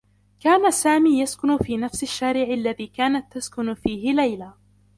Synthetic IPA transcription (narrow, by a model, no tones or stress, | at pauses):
kaːnasaːmiːjaskʊnʊfiːnafsɪʃːaːɾɪʕɪʔlːaðiːkaːnat̪ːaskʊnfiːhɪlajlaː